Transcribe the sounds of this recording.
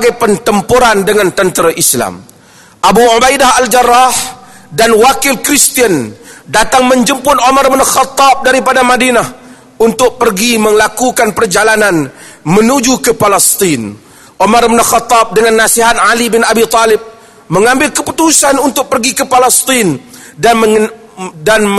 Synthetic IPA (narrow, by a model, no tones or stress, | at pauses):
ɡajpənt̪əmpuɾandəŋant̪ənt̪əɾaʔisla̰m | ʔabuʕobajdahald͡ʒarːah | danwakɪlkɾist̪iəndat̪aŋməɲd͡ʒəmpʊnomarbnxat̪ːɑp̚daɾipadamadinah | unt̪ʊk̚pərɡiməŋlakukanpərd͡ʒalanan | mənud͡ʒukəpalɛst̪in | ʔomarbnxat̪ːap̚dəŋanːasiɦat̪̚ʕalibɪnabit̪alɪb̚ | məŋambɪlkəput̪usanunt̪ʊk̚pərɡikəpalɛst̪in | da | dan